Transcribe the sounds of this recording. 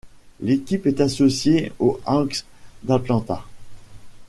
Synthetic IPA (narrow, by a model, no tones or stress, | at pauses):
lekʲipɛt̪asɔsjeoʔɑ̃ks | d̪at̪lɑ̃t̪a